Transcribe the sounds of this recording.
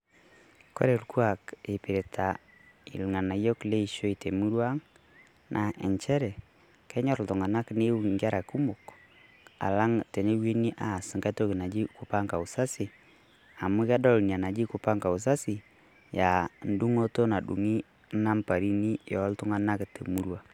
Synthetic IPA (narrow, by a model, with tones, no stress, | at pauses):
ko̰˦ɾe˨lku˦a˨ke˨pɪ˨ɾe˨tʰa˨ | ḭ˨lŋa˨na˨jo˦kle˦i˦ʃo˦i˨te˨mu˦ɾwa˦ŋ | nʔa˨ʔɛ˨ɲt͡ʃɛ˦ɾɛ˨ | kɛ˦ɲɔ˦˨ɾltʊ˨ŋa˨na˦kne˦u˦˨ŋɡa˦ɾa˨ku˦mʊ˨k | a̰˨la˦ŋtɛ˨ne˦wi˦ni˦ʔa˨sɪ˨ŋka˦to˦ki˨na˨d͡ʒi˦kʊ˨pa˦ŋka˨u˨sa˦si˨ | a˨mʊ˦kɛ˦dɔ˦lnja˨na˨d͡ʒi˦kʊ˨pa˦ŋka˨u˨s̬a˦si˨ | ja˨n̩˦du˦ŋo˦to˦na˨ɗṵ˨ŋi˦ | na˦mpa˨ɾi˦ni˦jɔ˨˦ltʊ˦ŋa˦na˦ktḛ˨mu˦ɾwa˦